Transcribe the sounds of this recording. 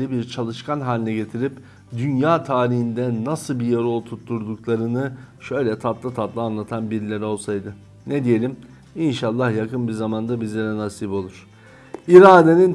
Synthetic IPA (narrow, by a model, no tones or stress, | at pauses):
ibiɾt͡ʃʰalˠɯʃkʰanɦaːlʲinɛɟe̞t̪ʰiɾip | d̪ynjaːt̪ʰaːɾiɦind̪ɛnasɯlˠbijaɾolˠt̪ʰut̪ːuɾd̪uklˠaɾɯnɯʃø̞jlʲɛt̪ʰat̪lˠat̪ʰat̪lˠaːnlˠat̪ʰanbiɾlʲeɾio̞lˠsajd̪ɯ | ned̪ije̞lʲim | inʃalˠːahjakɯnbizamand̪abizlʲe̞ɾɛnasibo̞lˠuɾ̥ | iɾaːd̪e̞nin